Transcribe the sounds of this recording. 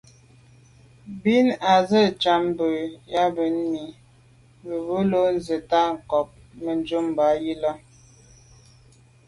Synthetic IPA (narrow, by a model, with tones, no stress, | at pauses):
bi˦na˨zə˦˨t͡ʃa˨m˦bə˨ja˦bə˨˦n˦mi˨ | bə˨bə˦lo˦n̩˦ze˨ta˦ŋ̩˨kɔ˨p̚ | mə˨n˦d͡ʒu˦m˨ba˨˦ji˦lɔ˦